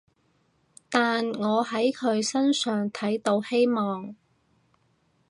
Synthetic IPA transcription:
t̪aː˨nŋɔː˨˧ɦɐ˨˥jkʰɵ˨˧ɥsɐ˥nsœː˨ŋt̪ʰɐ˨˥jt̪o˧whe˥jmɔː˨ŋ

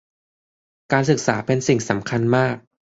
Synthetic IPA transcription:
kaː˧nsɯ˨˩k̚sa̰ː˩˦pe˧nsi˨˩ŋsa˩˦mkʰa˧nmaː˥˩k̚

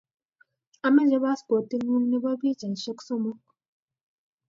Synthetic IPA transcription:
a˨mɛ˦nd͡ʒe˦ba˦sko˨ti˦nu˦ŋni˦ba˦bi˦d͡ʒɛ˨n˨ʃɛ˦kso˦mo˦

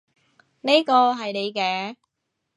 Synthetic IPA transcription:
ne˥kɔː˧ɦɐ˨jne˨˧jkɛː˧

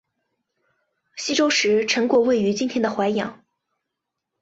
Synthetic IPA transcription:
ɕi˥ʈ͡ʂo˥ʊʂɻ̩˧˥ʈ͡ʂʰɤ˧˥ŋkwɔ˧˥we˥˩ɪy˧˥t͡ɕi˥nt̪ʰjɛ˥nd̪ə˨xwa˧˥ɪjɑ̰˨˩˦ŋ

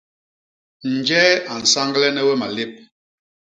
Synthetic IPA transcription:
n̩˨d͡ʒɛ˦a˨n̩˨sa˦ŋɡlɛ˦nɛ˦wɛ˦ma˨le˦˨p̚

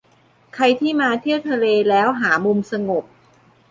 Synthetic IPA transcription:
kʰa˧jt̪ʰiː˥˩maː˧t̪ʰi˥˩əwt̪ʰa˧leː˧lɛː˦˥wɦaː˩˦mu˧msa˧ŋo˨˩p̚

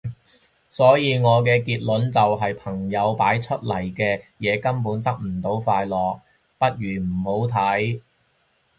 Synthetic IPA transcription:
sɔː˨˥jiː˨˧ŋɔː˨˧kɛː˧kiː˧t̚lɵ˨˥nt͡sɐ˨wɦɐ˨jpʰɐ˨˩ŋjɐ˨˧wpaː˨˥jt͡ʃʰɵ˥t̚lɐ˨˩jkɛː˧jɛː˨˧kɐ˥mpuː˨˥nt̪ɐ˥k̚m̩˨˩t̪o˨˥wfaː˧jlɔː˨k̚ | pɐ˥t̚ɥyː˨˩m̩˨˩ho˨˥wt̪ʰɐ˨˥j

